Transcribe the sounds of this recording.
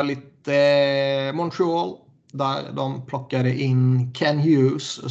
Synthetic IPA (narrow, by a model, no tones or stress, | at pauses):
ɭit̪ːə | mɔnt̪ʰɾɪoːl | d̪æɾd̪ɔmpʰlɔkːaɾəʔɪnkʰænhjʉːs